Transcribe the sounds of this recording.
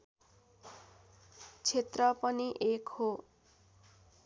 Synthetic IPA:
t͡sʰet̪rʌpʌniʔekho

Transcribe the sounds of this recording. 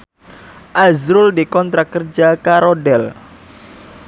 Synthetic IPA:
ʔazɾʊldikɔnt̪ɾakərd͡ʒakaɾodɛl

